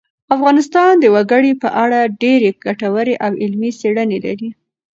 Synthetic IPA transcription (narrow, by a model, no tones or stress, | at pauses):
afɣɑnɪst̪ɑnd̪əwaɡəɽipə̰ʔaɽaɖeɾeɡ̥aʈawəɾeʔawɪlmiseɽənela̰ɾi